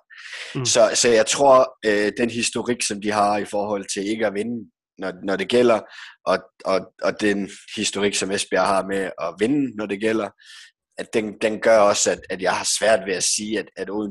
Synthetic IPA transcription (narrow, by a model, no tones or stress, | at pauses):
sɒ̽sɒ̽jɑ̈ɪt͡sʰʁo̝ɐ̰ød̥enɦisd̥o̝ʁiɡ̥sɒ̽md̥iɦɑ̈ifɒːɦɒ̽l̰t͡sʰe̝le̝ɡ̥əæʋe̝nə | nɒnɒɾ̥e̝ɡ̥el̰ɐʔɒ̽ɒɒ̽d̥enhisd̥o̝ʁiɡ̥sɒ̽mesb̥ɐ̰hɑ̈meɒ̽ʋe̝nənɒd̥e̝ɡ̥el̰ɐ | d̥end̥enɡ̥ɶɐɒ̽sæd̥æd̥jɑ̈ɪhɑ̈sʋæɐ̰d̥ʋe̝æsiːæd̥æd̥oð̰ˠ